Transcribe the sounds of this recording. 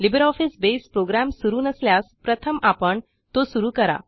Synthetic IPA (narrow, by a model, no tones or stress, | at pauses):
libɾɔfisbespɾoɡɾæmsuɾuːnəsljaspɾət̪ʰəmapəɳ | t̪osuɾuːkəɾa̰